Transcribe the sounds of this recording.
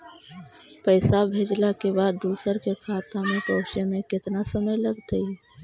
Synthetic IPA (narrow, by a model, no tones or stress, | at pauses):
pəɪsabʱeːd͡ʒlakebaːd̪ːuːsəɾkekʰaːt̪amẽpɔːʃemẽkɪt̪nasəməjləɡt̪əi